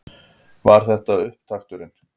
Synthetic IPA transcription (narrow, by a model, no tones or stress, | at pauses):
vaɾ̥θɛht̪aðʏhpt̪ʰaxt̪ʏɾɪn